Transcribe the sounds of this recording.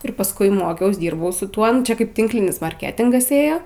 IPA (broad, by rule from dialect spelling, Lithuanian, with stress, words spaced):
ɪr pɐsˈkʊɪ ˈmoːkʲɛʊs ˈdʲiːrbɐʊ sʊ ˈtuɔ ˈnʊ t͡ʃʲɛ ˈkɐɪp ˈtʲɪŋklʲɪnʲɪs mɐrʲˈkʲæːtʲɪŋɡɐs ˈeːjoː